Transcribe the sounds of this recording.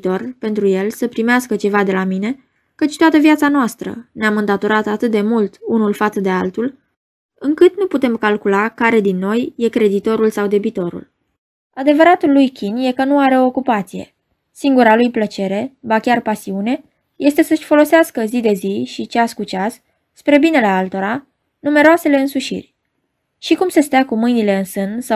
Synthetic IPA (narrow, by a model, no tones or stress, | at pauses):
t̪o̞rpe̞nt̪ɾuje̞lsəpɾimeaskət͡ʃe̞vad̪e̞lamine̞ | kət͡ʃʲt̪at̪əviat̪sanoast̪ɾə̰neamɨnd̪at̪o̞ɾat̪at̪ɨt̪̚d̪e̞mult̪unulfat̪səd̪e̞alt̪ul | ɨŋkɨt̪nuput̪e̞mkalkulakaɾe̞d̪inːo̞jje̞kɾe̞d̪it̪o̞ɾulsawd̪e̞bit̪o̞ɾṵl | ad̪e̞vəɾat̪ulːujkʲʰinje̞kənuaɾe̞ookupat̪sije̞̰ | siŋɡuɾalujplət͡ʃe̞ɾe̞bakʲarpasiune̞ | je̞st̪e̞səʃʲfo̞lo̞seaskəzid̪e̞ziʃit͡ʃaskut͡ʃas | spɾe̞bine̞le̞alt̪o̞ɾa | nume̞ɾoase̞le̞ɨnsuʃḭrʲ | ʃikumsest̪eakumɨjnile̞ɨnsɨnd̪sa